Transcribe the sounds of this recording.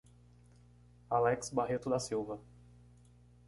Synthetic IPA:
alɛksbaɦet̪ʊd̪asiwvɐ

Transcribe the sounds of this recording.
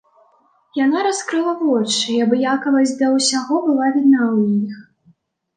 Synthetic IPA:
janaɾaskɾɨlˠɐvɔt͡ʂɨjabjakɐvɐzʲd̪ɐwsʲaɣɔbɨlˠavʲid̪nauix

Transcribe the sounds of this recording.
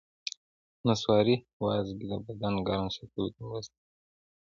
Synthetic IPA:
naswɑɾi | wɑzɡid̪əbad̪anɡaɾansat̪ulut̪awast̪

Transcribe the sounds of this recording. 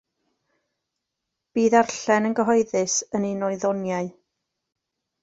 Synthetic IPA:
b̥iːðarɬɛnənɡəɦɔɨðɨsəninɔɨðɔnjaɨ

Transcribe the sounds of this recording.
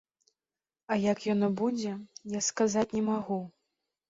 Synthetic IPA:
ɐjakjɔnɔbud͡zʲɛjaskazat͡sʲnʲɛmaɣu

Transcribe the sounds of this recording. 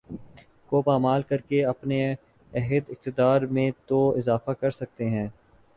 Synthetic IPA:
koːpaːmaːlkɐɾkeɐpne | ɛɦɪd̪ɪk̚t̪ɪd̪aːɾmẽt̪oɪzaːfakɐɾsɐk̚t̪eɦɛ̃ː

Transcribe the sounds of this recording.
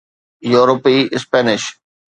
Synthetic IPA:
juːɾopiɪspɛːnɪʃ

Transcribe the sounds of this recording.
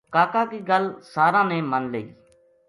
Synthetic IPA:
kaːkaːkiːɡəlsaːɾãːnẽːmənleːiː

